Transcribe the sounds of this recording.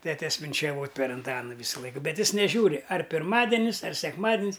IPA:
ˈtʲæːtʲɛs ʋʲɪnʲt͡ʃʲɛˈʋoːtʲ pʲɛr ɐnˈtɑːnʊ ˈʋʲiːsʊlˠɐɪk ˈbʲɛt ˈjɪs nʲɛˈʒʲuːrʲɪ ɐr pʲɪrˈmɑːdʲɛnʲɪs ɐr sʲɛkˈmɑːdʲɪnʲs

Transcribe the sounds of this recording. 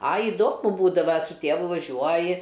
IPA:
ɐ ɪˈdoːmʊ ˈbuːdɐʋɐ sʊ ˈtʲeːʋʊ ʋɐˈʒʲuɔjɪ

